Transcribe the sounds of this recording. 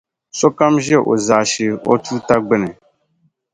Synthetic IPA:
so˦ka˦mʒɛ˦˨ʔo̰˨za˨ʃi˨o̰˦tu˦ta˦ɡ͡bɪ˦nɪ˨

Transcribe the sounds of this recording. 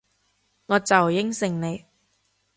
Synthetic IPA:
ŋɔː˨˧t͡sɐ˨wjɪ˥ŋsɪ˨˩ŋne˨˧j

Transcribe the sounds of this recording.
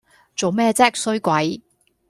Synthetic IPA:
t͡so˨wmɛː˥˧t͡sɛː˥k̚sɵ˥ɥkʷɐ˨˥j

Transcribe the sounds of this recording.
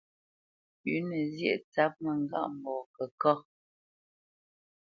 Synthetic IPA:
ʉ˨˦nə˨zjɛ̰˦˨ʔt͡sa˦p̚mə˨ŋ˨ɡa̰˦ʔm˨bɔ˨kə˨kɔ˦

